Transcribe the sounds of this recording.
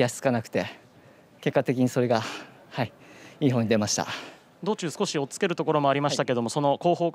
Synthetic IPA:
aɕt͡sɨ̥kanakɯ̥t̪e̞ | ke̞kːat̪e̞kʲiɲ̟iso̞ɾe̞ɡa | haiiːɦoɲːid̪e̞maɕi̥t̪a̰ | d̪o̞ːt͡ɕɨːsɨ̥ko̞ɕio̞t͡sɨ̥ke̞ɾɯ̟t̪o̞ko̞ɾo̞mo̞aɾʲimaɕit̪ake̞d̪o̞mo̞so̞no̞ko̞ːɦo̞ː

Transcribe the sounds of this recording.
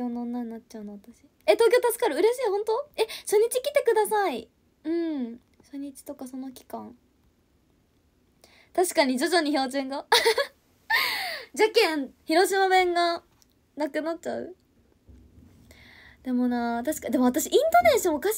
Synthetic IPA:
ononːaɲnat͡ɕt͡ɕaɯ̟noβat̪aɕi | e̞t̪o̞ːkʲo̞ːt̪asɨ̥kaɾɯ̟ɯ̟ɾe̞ɕiːhõ̞nt̪o̞e̞ɕo̞ɲ̟ːit͡ɕikʲi̥t̪e̞kɯ̟d̪asai | ɯ̟̃ɴ | ɕo̞ɲ̟ːit͡ɕi̥t̪o̞kaso̞no̞kʲi̥kãŋ | t̪aɕi̥kaɲ̟id͡ʑo̞ʑo̞ɲ̟iço̞ːd͡ʑɨ̃ŋɡa | d͡ʑakẽ̞ɴçiɾo̞ɕimabẽ̞ŋɡa | nakɯ̟nat̚t͡ɕaɯ̟̰ | d̪̥e̞mo̞nat̪aɕi̥kad̪e̞mo̞at̪aɕiʔĩnt̪o̞ne̞ɕõːkaɕ

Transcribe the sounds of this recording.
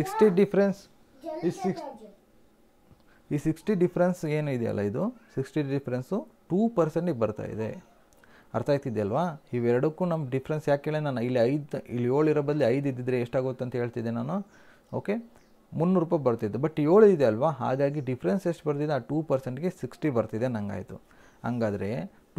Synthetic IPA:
siksʈiɖipʰɾens | ik | iːsiksʈiɖipʰɐɾense̞ːnuid̪ɛɐ̰lːa̰id̪usiksʈiɖipʰɾensuʈuːpɐɾseɳʈɡbɐɾt̪a̰ːjḭd̪e̞̰ | ɐ̰ɾt̪aːjt̪id̪ɛɐlʋaːiːʋɛɾɐɽukːuːnɐmɖipʰɐɾensjaːkeːɭenaːnuilːiɐjd̪ḭlːioːɭiɾɐbɐd̪liɐjd̪id̪ːid̪ɾeːʂʈaːɡojt̪uɐnt̪ɐɦe̞ːɭt̪id̪enaːnu | o̞̰ːke̞ | munːuɾuːpɐjbɐɾt̪id̪ːubɐʈːio̞ːɭid̪eɐlʋaɦa̰ːɡaːɡiɖipʰɾenseʂʈbɐɾt̪id̪eaːʈuːpɐɾseɳʈɡe̞siksʈibɐɾt̪id̪enɐŋɡa̰ːjt̪ṵ | ɐŋɡaːd̪ɐɾe̞

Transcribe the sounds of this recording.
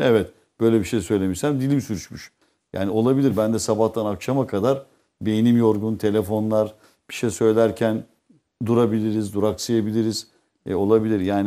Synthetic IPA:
ɛvɛt̪ | b̥ø̞jlʲɛbiʃejsø̞jlʲe̞miʃsænd̪ilʲbisyɾyt͡ʃmyʃ | ja̰ːnio̞lˠabilʲiɾbænd̪ɛsabaht̪ʰanakʃamakʰad̪aɾ | be̞jnimjo̞ɾɡunt̪ʰe̞lʲefo̞nlˠaɾ | b̥i̥ʃejsø̞jlʲæɾcʰæn | d̪uɾabilʲiɾizd̪uɾaksɯjabilʲiɾiz̥ | o̞lˠabilʲiɾjaːn

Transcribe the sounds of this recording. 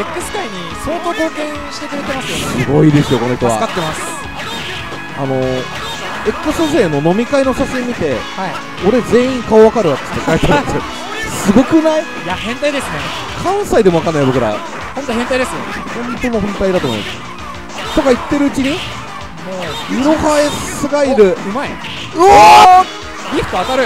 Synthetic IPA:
ekːɯ̟sɨ̥kaiɲ̟iso̞ːt̪o̞ːko̞ːkẽ̞ɰ̃ɕi̥t̪e̞kɯ̟ɾet̪e̞masɨjossɨɡo̞id̪e̞sɨjo̞ko̞noçi̥t̪oβa̰at̪ːemasɨ̥ | ano̞ | e̞kːɯ̟soʑẽnːo̞no̞mʲikaino̞ɕaɕĩmːʲit̪e̞hai | o̞ɾe̞d͡zẽ̞ːĩŋkaoβakaɾɯβat̪ɨ̥t̪ːekaet̪aɾt̪so | sɨɡo̞kɯ̟nai | jahẽnt̪aid̪e̞sɨne | kʰãɰ̃said̪emoakãnːaibo̞kɯ̟ɾa̰ | hõnt̪ohẽnt̪aid̪esɨnḛhõ̞nt̪o̞nohõnt̪aid̪at̪o̞moḭma̰sɨ̥ | t̪o̞kait̪ːe̞ɾɯ̟ɯ̟t͡ɕiɲ̟i | jɯɾohaesɨɡaiɾɯ̟ɯmai | ɾʲiɸɯ̟̥t̪oat̪aɾɯ

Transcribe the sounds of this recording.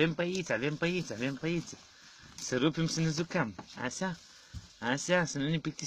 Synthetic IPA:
empait͡salempait͡salempait͡sə̥ | siɾupimisinizukama̰sa | asiasinunipit̪i

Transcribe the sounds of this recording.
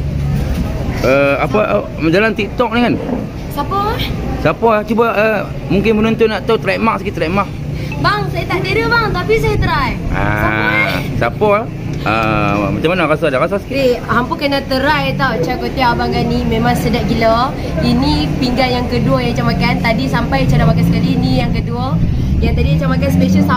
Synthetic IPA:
əapa | d͡ʒalant̪iʔt̪ɔk̚nikan | sapɔsapɔlaht͡ʃubaə | muŋkɪnpənɔnt̪ʊnːaʔt̪aut̪əɾaimaʔsə̥kiʔt̪əɾaimaʔ | baŋsajat̪aʔdiɾəbaŋt̪apisajat̪əɾaja̰ | sapɔla | ə̰mat͡ʃamanaɾasadakasaskiehampukənat̪əɾajt̪awt͡ʃakot̪iabaŋɡanimemãŋsədaʔɡilə | inipiŋɡanjaŋkəduəjat͡ʃamakant̪adisampajt͡ʃanamakansəkalinĩjaŋkəduə | jaŋt̪adiat͡ʃamakanspeʃəsa

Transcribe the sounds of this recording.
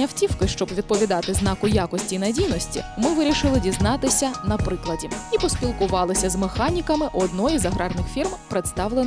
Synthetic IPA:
ɐwtʲiwkɪʃt͡ʃɔbʋʲid̪̚pɔʋʲid̪ɑt̪ɪznɑkʊjakɔsʲtʲinɐdʲijnɔsʲtʲḭmɪʋɪɾʲiʃɪlˠɪdʲiznɑt̪ɪsʲɐnɐpɾɪklˠɐdʲiipɔspʲilˠkʊʋɑlˠɪsʲɐzmexɑnʲikɐmɪʔɔd̪nɔjizɐɦɾɑrnɪxfʲirmpɾet̪st̪ɑwlˠen

